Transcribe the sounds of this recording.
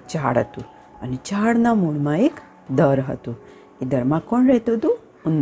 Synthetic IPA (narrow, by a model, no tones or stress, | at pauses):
t͡ʃaːɽɐ̰t̪u | ɐnit͡ʃaːɽnamuɽmaek | d̪ɐɾɦɐ̰t̪u | id̪ɐɾmakoɳɖɾeɦt̪od̪u | un